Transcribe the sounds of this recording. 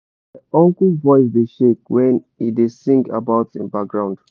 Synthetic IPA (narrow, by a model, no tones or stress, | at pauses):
aɔ̃ŋkəlvɔɪs̬deʃek̚wɛ̃n | idesĩŋɡa̰baʊtɪ̰̃nbak̚ɡɹãʊ̃nd̥